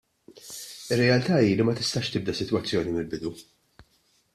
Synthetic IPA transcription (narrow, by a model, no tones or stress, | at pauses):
ɪrːɛɐlt̪ɐːiːlimɐt̪ɪst̪ɐʃt̪ɪb̚d̪ɐsɪt̪wɐt͡sːjɔːnimɪlbɪd̪u